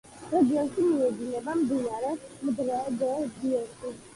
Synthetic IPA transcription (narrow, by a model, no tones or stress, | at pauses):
ɾɛd̪iankimiɛd̪inɛbamd̪inaɾɛmd̪ɾad̪ɛd̪iɔnkʰi